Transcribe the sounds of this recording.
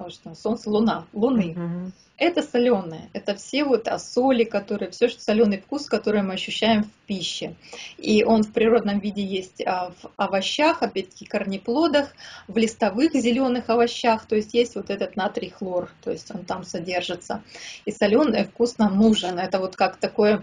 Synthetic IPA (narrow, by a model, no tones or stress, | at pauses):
ʂt̪oso̞nt̪səlˠʊnalˠʊnɨ | ɛt̪əsɐlʲo̞nɨjəɛt̪əfsʲe̞vo̞t̪ɐ̰so̞lʲɪkɐt̪o̞ɾɨjəfsʲoʂsɐlʲo̞nɨjfkuskɐt̪o̞ɾɨjmɨɐɕːʏɕːæjɪmfʲpʲiɕːɪiʔo̞nfpɾʲɪɾo̞d̪nəmvʲidʲɪjesʲtʲəvɐvɐɕːaxɐpʲæt̚ʲt̪ːə̥kʲɪxkərnʲɪplˠo̞d̪əxvlʲɪst̪ɐvɨxzʲɪlʲo̞nɨxɐvɐɕːaxt̪o̞jɪsʲtʲjesʲtʲvo̞t̪ɛt̪ət̪nat̪ɾʲɪxlˠort̪o̞̰jɪsʲtʲo̞nt̪amsɐdʲe̞rʐɨt̪sə̰isɐlʲo̞nɨfkusnamnuʐɨnɛt̪əvo̞t̪kakt̪ɐko̞jə